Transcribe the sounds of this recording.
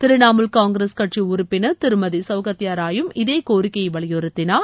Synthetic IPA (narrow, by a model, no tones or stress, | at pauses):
t̪ɪɾɯnaːmɯlkaːŋɡɾeskɐʈriʊɾʊpːɪnɐt̪ɪɾɯmɐðisɐʊɣɐt̪ːɪjaːɾaːjɯmɪðeːkoːɾɪkːɐjʋɐɭɪjɯɾɯt̪ːɪnaː